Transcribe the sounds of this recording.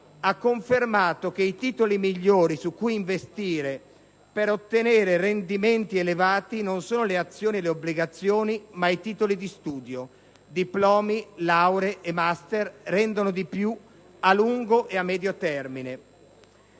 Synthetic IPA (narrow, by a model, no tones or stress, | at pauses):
akːoɱfermaːt̪ok̟eit̪iːt̪olimiʎːoːɾisukːujiɱvest̪iːɾe | peɾot̪ːeneːɾerend̪iment̪ielevaːt̪inonsoːnoleat̪sːjoːnieleobːliɡat̪sːjoːnimait̪iːt̪olid̪ist̪uːd̪jo | d̪iplɔːmilawɾeʔemast̪errɛnd̪onod̪ipju | aluŋɡoʔeamːɛːd̪jot̪ɛrmine